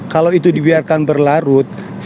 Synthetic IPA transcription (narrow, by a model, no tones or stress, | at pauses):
kalowit̪udibiarkanbərlaɾʊt̪̚ | s